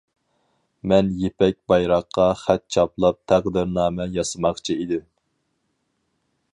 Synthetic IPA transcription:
mɛnjepɛk̚ʲbɑjɾɑqʰːɑχæt̪̚t͡ʃʰɑplˠɑp̚t̪ʰæqd̪ɪɾnɑːmɛjɑsɨmɑχt͡ʃʰiid̪ɪm

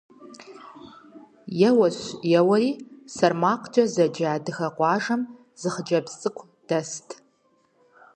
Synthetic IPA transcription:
jɛwɐɕjɛwɐɾiːsɐrmaːqʷd͡ʒʼɐzɐd͡ʒaːdɨxɐqʷɑːʒɐm | z̥ɨχd͡ʒɐbsʼɨkʷʰʼ | d̥ɐstʰ

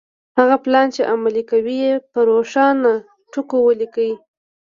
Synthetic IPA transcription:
haɣaplɑnt͡ʃeʔamalikawijepəɾoʃɑna | ʈukowəlikawi

